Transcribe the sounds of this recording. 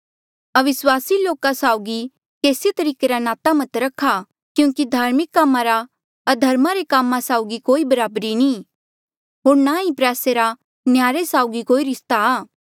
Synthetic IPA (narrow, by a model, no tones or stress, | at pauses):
ɐʋɪswaːsiloːkasaːʊɡi | keːsit̪ɐɾiːkeɾanaːt̪amɐt̪ɾɐkʰːa | kjũːkid̪ʱaːɾmɪkːaːmːaɾa | ɐd̪ʱɐɾmaɾekaːmːãsaːʊɡikoːibɐɾaːbɾiniː | ɦoːɾnaipɾɛːseɾa | njaːɾesaːʊɡikoːiɾɪst̪aaː